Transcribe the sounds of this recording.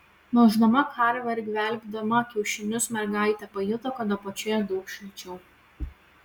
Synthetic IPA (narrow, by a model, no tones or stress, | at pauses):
noːʒd̪ɐmɐkʰɐɾʋʲɐɾʲɡʲʋʲɛˑlʲɡʲd̪ɐmɐkʲɛʊʃʲɪnʲʊsmʲɛɾɡɑˑɪt̪ʲɛpɐjʊt̪ɐkɐd̪opɐt͡ʃʲojɛd̪ɔʊkʃʲɪlʲt͡ʃʲɛʊ